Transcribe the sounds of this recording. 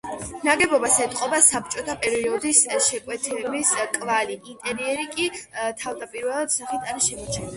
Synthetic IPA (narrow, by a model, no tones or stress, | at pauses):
naɡɛbɔbasɛt̪ʼqʼɔbasap̚ʰt͡ʃʼɔt̪ʰapʼɛɾiɔd̪isʃɛkʼwɛt̪ʰlɛbiskʼvaliint̪ʼɛɾiɛɾikʼit̪ʰavd̪apʼiɾvɛlˠad̪̥saχit̪ʰanʃɛmɔt͡ʃʰɛli